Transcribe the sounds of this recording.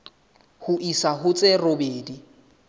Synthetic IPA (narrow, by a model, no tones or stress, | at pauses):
hʊʔisaɦʊt͡sʼɪrobeːdi